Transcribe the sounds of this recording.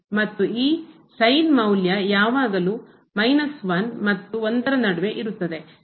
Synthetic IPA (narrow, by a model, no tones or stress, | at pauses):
mɐt̪ːuiː | sɐjnmɐwljɐjaːʋaːɡɐluː | mɐjnɐsʋɐnmɐt̪ːuond̪ɐɾɐnɐɽɐʋe̞ʔiɾut̪ːɐd̪e̞